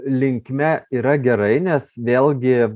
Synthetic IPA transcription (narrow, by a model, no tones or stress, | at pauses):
lʲɪŋʲkmʲɛiːɾɐɡʲɛɾɐɪnʲɛsʋʲeːlˠʲɡʲɪ